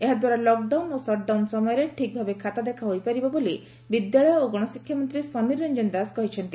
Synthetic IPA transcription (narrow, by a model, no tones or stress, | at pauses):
eɦad̪waɾalɔk̚ɖawnosɔʈ̚ɖawnsɔmɔjɔɾeʈʰik̚bʱabekʰat̪ad̪ekʰaɦojpaɾibɔboli | bid̪jaɭɔjɔoɡɔɽ̃ɔsikʰːjɔmɔnt̪ɾisɔniɾɔnd͡ʒɔnd̪askɔɦit͡ʃʰɔnt̪i